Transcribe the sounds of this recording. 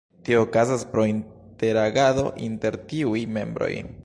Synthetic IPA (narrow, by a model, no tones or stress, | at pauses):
tioːkazaspɾo̞inte̞ɾaɡaðo̞̰ʔinte̞ɾtiujme̞̰mbɾo̞̰j